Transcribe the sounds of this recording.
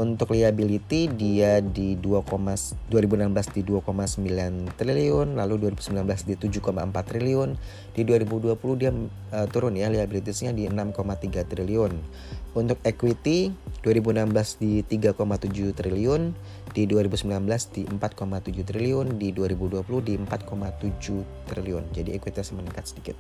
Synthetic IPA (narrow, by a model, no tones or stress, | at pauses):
unt̪ʊkliabilit̪idiadiduakomasduaɾibunamblasdiduakomasəmbilant̪ɾiliʊnlaluduaɾibusəmbilanblasdit̪ud͡ʒukoma̰əmpat̪ːɾiliʊn | diduaɾibuduapuluhdia | ət̪uɾʊnjaliabilit̪̬isɲadiənamkomat̪iɡat̪ɾiliʊn | unt̪ʊk̚ekwit̪id̥uaɾibuənamblasdit̪iɡakomat̪ud͡ʒut̪ɾiliʊn | d̥iduaɾibusəmbilanblasdiəmpat̪̚komat̪ud͡ʒut̪ɾiliʊndiduaɾibuduapulʊhdiəmpat̪̚kʰomat̪ud͡ʒuht̪ɾiliʊnd͡ʒadiekwit̪isəməniŋkat̪̚sədikɪt̪̚